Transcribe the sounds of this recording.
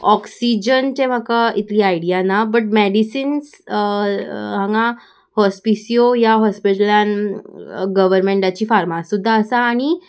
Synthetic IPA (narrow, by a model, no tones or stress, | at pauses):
ɔksid͡ʑənt̪em̤əkait̪liːaiɽijanabəʈ̬̚meɽisins | ãŋɡa | hɔspisijojaɦɔspiʈəljan | ɡəʋəɾmeɳʈat͡ɕiːfaɾmassud̪ʱːaəsaːɽ̃i